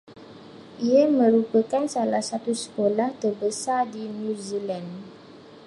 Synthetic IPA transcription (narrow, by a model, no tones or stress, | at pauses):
ʔiamə̃ɾupəkansalahsat̪usə̥kolaht̪ərbəsardinjũzilan